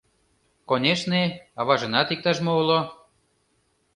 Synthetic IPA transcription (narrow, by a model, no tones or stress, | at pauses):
konʲeʃneɑβɑʒɤ̆nɑt̪ik̚t̪ɑʒmoulo